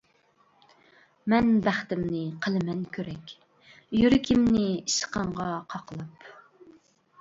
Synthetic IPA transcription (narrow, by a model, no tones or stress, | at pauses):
mɛnbæχt̪ɪmnɪqʰəlˠɨmɛnkʲʰøɾɛkʲ | jyɾɪkʲʰɪmnɪiʃə̥qɑɴʁɑqʰɑqlˠɑp